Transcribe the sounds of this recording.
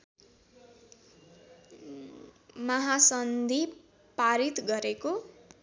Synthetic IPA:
mʌɦasʌnd̪ʱi | paɾit̪ɡʌɾeko

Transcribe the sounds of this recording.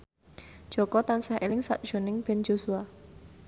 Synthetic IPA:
d̥ʒ̥ɔkɔt̪ansahʔelɪŋsa̰ʔ̚d̥ʒ̥o̤nɪŋb̥ɛ̤nd͡ʒosua

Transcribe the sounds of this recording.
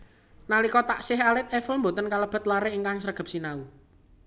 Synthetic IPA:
nalikɔt̪aʔsɪɦalɪt̪̚ɛfəlmbot̪ənkaləb̥ə̤t̪̚laɾeːŋkaŋsəɾəɡ̥ə̤p̚sinau

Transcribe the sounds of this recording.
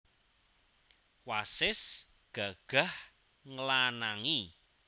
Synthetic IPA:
wasɪs | ɡ̥a̤ɡ̥a̤h | ŋəlanaŋi

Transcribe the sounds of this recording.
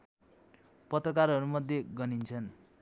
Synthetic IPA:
pʌt̪rʌkarɦʌɾumʌd̪ʱjeɡʌnint͡sʰʌn

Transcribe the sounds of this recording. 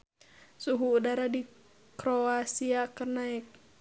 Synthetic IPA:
suɦuːdaɾadi | kɾoasiakərnaɛk̚

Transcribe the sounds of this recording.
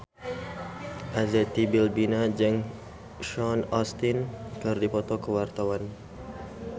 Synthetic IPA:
ʔazɛt̪ːibɪlbinad͡ʒəŋ | ʃɔnɔst̪inkɨrdipɔt̪okəwart̪awan

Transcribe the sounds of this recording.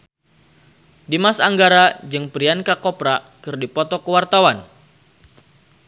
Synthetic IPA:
dimasaŋɡaɾad͡ʒɨŋpɾiankakɔpɾa | kɨrdipɔt̪ɔkəwart̪awan

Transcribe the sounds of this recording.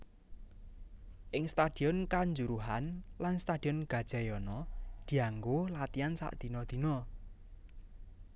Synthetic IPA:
ʔɪŋst̪ad̪̥i̤ɔnkaɲd͡ʒuɾuɦanlanst̪ad̥i̤ɔnɡ̥a̤d̥ʒ̥a̤jɔnɔd̪̥i̤aŋɡolat̪iansa̰ʔd̪̥i̤nɔd̪̥i̤nɔ

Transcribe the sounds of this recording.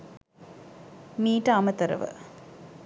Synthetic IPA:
miːʈːaaːmɐt̪ɐɾɐ̰ʋɨ̰

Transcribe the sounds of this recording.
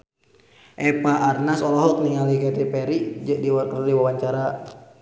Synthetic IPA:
ʔɛpaʔarnasɔlɔɦɔt̪̚niŋalikɛt̪ipɛɾid͡ʒəʔdiwadiwawaɲt͡ʃaɾa

